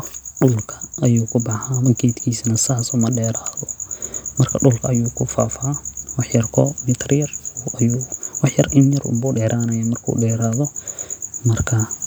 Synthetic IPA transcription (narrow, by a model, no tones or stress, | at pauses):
ɗʊlkʰɐ̥ːjuːkʰʊbɐħamɐkʰeːt̪kʰiːsnɐsaːsɔːmɐɗɛːɾaːðɔmɐrkʰɐɖʊlkʰɐɐjuːkʰʊfaːfawɑħjɐrkʰɔmɪt̪ʰrjɐrɐjuwɑħjɐrɪnjɐrʊ̰mbuːɖɛːɾʔaːnɐjaːmɐrkʰṵːɖɛːɾaːðɔ | mɐrkʰɐ